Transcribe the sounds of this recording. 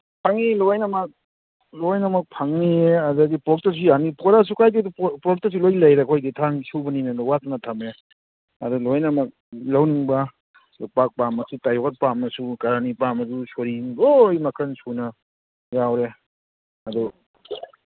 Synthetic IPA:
pʰaŋilojnɐmɐk̚ | lojnɐmɐk̚pʰaŋnieɐdaɡipɔk̚tas̬ijanipɔɾas̬ukajdidupɾɔk̚tɐs̬ilojlɐjɾekʰojditʰaŋsuwbɐninɐlɔwatanatʰame | ɐdulojnɐmɐk̚ | lawniŋbɐ | luk̚pak̚pamɐsitajɔkat̚pamɐsukaɾanipamɐdusoɾilojmɐkʰɾɐnsunɐ | jawɾe | ɐdu

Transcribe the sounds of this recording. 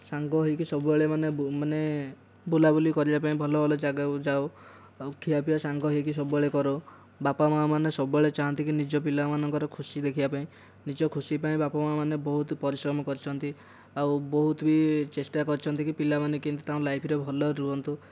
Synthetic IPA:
saŋɡɔɦikisɔbueɭemanemane | bulabulikɔɾibapaĩbʱɔlɔbʱɔlɔd͡ʒaɡad͡ʒao | kʰːiapibasaŋɡɔɦikis̬ɔbueɭekɔɾo | bapamamanesɔbeɭet͡ʃaɦɔnt̪ikinid͡ʒɔp̬ilamanɔŋkɔɾɔkʰusid̪ekʰibapaĩ | nid͡ʒɔkʰusipaĩbapamamanebɔɦut̪pɔɾisɾɔmɔkɔɾit͡ʃʰɔnt̪i | awbɔɦut̪bit͡ʃesʈakɔɾt͡ʃʰɔnt̪ikipilamanekint̪ut̪aũlajpʰɾebʱɔlɔɾuɔnt̪u

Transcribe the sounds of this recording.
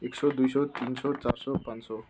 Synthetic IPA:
eksɔd̪ujsɔt̪insɔt͡sarsɔpãnsɔ

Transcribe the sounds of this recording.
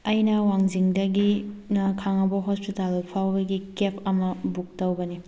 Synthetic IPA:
ɐjnɐwaŋziŋdɐɡinɐkʰaŋɐbɐɦɔspitalpʰawbɐɡikepʰɐmɐbuk̚tɐwbɐni

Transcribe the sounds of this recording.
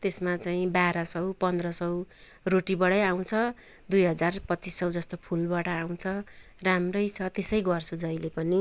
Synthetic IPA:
t̪esmat͡saĩbaɾʌsʌwpʌnd̪rʌsʌw | roʈibʌɽʌjaw̃t͡sʰʌ | d̪ujɦʌd͡zarpʌt̪ːt͡sisːʌwd͡zʌst̪opʰulbaʈʌaw̃t͡sʰʌ | ramrʌjt͡sʰʌt̪esʌjɡʌrsʰud͡zʌjlepʌni

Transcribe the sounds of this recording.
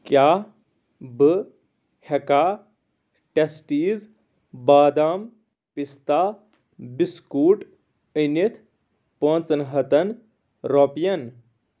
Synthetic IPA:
kjaː | bɨ | hɐkaː | ʈesʈiːz | baːd̪aːm | pist̪aː | biskuːʈ | ənit̪ʰ | põːnt͡sɐnɦɐt̪ɐn | ɾopijɐn

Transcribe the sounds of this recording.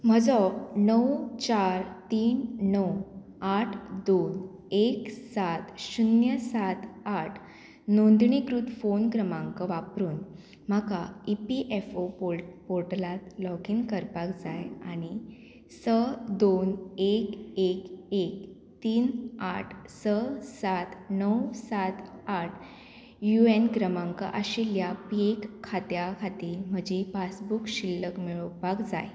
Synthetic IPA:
m̤əd͡zɔnəwt͡ɕaɾt̪iːnnəw | aʈʰd̪on | eksat̪ɕunjəsat̪aʈʰ | nond̪ɳikɾut̪fonkɾəmãŋkəʋapɾuːn | m̤akaipiʔefopopoɾʈlat̪lɔkiːnkəɾpakd͡zajaɽ̃i | səd̪onekekek̚ | t̪iːnaʈʰsəsat̪nəwsat̪aʈʰ | juenɡɾəmãŋkə̰ʔaɕiljapiekʰːat̪jakʰat̪iːlm̤əd͡ʑifasbukɕilːəkmiɭəpakd͡za̰j

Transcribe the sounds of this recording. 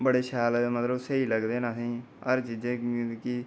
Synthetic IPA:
bəɽeːʃaːld̪eːmət̪ləbsəiːləɡd̪eːnasĩː | əɾt͡ʃiːzẽːkɪ

